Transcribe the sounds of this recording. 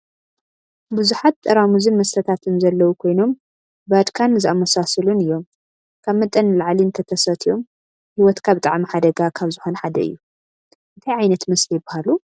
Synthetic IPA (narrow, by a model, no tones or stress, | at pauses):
buzuħat̪ʼːɐɾamuzɨnmɐst̪ʰɐt̪ʰat̪ʰɨnzɐlːɐwukʰo̞jno̞m | bɐd̪kʰanzɨamːɐsasɐlunɨjːo̞m | kʰaβmɨt̪ʼːɐnlaʕliɨnt̪ʰɐt̪ʰɐsɐt̪ʰio̞m | hiwɔt̪kʰaβt̪ʼaʕmiħad̪ɐɡakʰaβzɨxonħad̪ɐɨ̰jːu | ʔɨt̪ʰɐjʕajnɐt̪mɐslijbahalu